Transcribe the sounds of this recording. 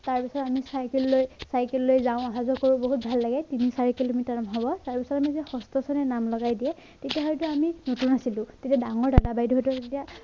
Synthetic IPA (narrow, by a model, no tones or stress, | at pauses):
taɹpisɔtamisajkilːojsajkɛlːojzãʊ̃aɦazɔkoɹuboɦut̚bʱalːaɡɛtinisaɹikilomitaɹmɦɔbɔtaɹpisɔtamizɛxɔstɔsɔnɛnamlɔɡajdiɛ | tetijaɦɔjtʊaminotunasilʊ̃tetiadaŋɔɹdadabajdɦɔjtueetija